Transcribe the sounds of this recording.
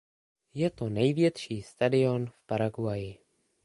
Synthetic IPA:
jɛt̪o̞nɛjvjɛt̪ʃiːst̪adɪo̞nfpaɾaɡwajɪ

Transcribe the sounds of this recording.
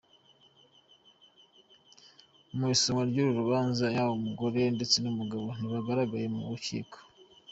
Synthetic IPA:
umwisomaɾɟuɾuɾuβaːnzajawomuɡo̞ɾe̞ndet͡senumuɡaβo̞niβaɡaɾaɡaje̞mṵɾucḭːko̥

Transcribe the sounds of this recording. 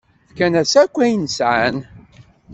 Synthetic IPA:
fkænæsækʷːæjənsʕan

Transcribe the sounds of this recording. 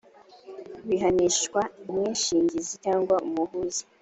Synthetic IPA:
wiɦaniʃkwaimɲeːnʃiːɲɟizitaːŋɡwaumuhuzi̥

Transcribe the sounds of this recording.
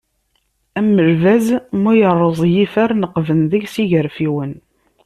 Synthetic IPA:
æmːəlvæzmujərˤːəzˤjifæɾnəqːvənðəʝsiʝəɾfiwən

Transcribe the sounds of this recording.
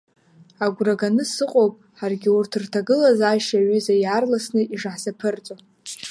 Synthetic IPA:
aɡʷraɡanɨsɨqʼowpʼħarɡʲiurtʰɨrtʰaɡɨlazaʃaɥʏzajarlasnɨiʐaħzapʰɨrt͡sʼo

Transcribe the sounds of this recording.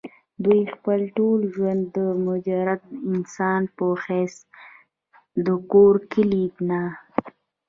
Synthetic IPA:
d̪wujxpəlʈolʒwand̪ːəmʊd͡ʒaɾat̪̚ɪnsɑnpəxɛs | d̪əkoɾkɪlibna

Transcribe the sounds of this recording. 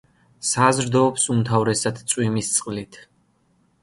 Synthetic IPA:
sazɾd̪ɔːpsumt̪ʰavɾɛsad̪t̪sʼwimist̪sʼqʼlit̪ʰ

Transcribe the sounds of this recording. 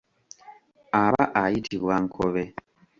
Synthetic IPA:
aβaʔajitʰiβwaŋ̩kʰɔβɛ

